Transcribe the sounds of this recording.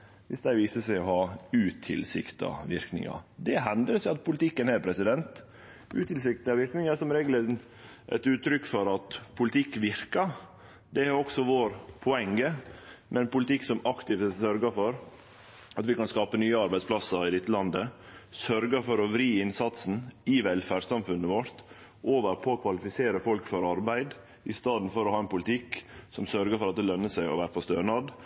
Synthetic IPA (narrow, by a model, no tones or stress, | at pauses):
ʋɪsd̪æɪʋiːsəsæɪɔhɑːʉːt̪ʰɪ̰lsɪkt̪ɑ̰ʋɪ̰ɾknɪ̰ŋɑ̰d̪ɛɦɛnd̪əɾsɑt̪̚pʰʊlɪt̪ʰɪkːənhɛːɾpʰɾɛsɪd̪ɛnt̪ | ʉːt̪ɪls̬ɪkt̪ɑʋɪɾknɪŋɑʂɔmɾɛɡlə | ʔɛ̰t̪ʉːt̪ːɾʏkːfɔɾɑt̪pʰʊlɪt̪ʰɪkːʋɪɾkəɾ | d̪ɛæɾɔksɔʋoːɾpʰɔɛŋːəmʔɛnpʊlɪt̪ɪkːsɔmɑkt̪ɪft̪sœɾɡəfɔɾ | ɑt̪ʋɪkɑnskɑːpənyːəɑɾbæɪsplɑsəɾɪd̪ɛt̪ːəlɑnd̪əsœɾɡəɾfɔɾɔʋɾiːɪnsɑt̪sn̩ɪʋɛlfæɖsɑmfʉnːəʋɔɾt̪ | ʔoːʋəɾpʰɔːkʰʋɑlɪfɪseːɾəfɔlkfɔɾɑɾbæɪd̪ | ʔɪst̪ɑːd̪n̩fɔɾɔhɑːɛnpʊlt̪ʰɪksɔmsœɾɡəfɔɾɑt̪̚d̪ɛlœnːəsæɪɔ̰ʋæːɾəpʰɔst̪øːɳɑd̪